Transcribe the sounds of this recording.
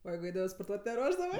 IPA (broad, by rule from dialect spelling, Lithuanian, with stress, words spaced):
oː ˈjɛɪɡʊ ˈɛɪdɐʋɜ spoːrˈtuɔtʲ nʲɛˈruɔʒdɐʋɜ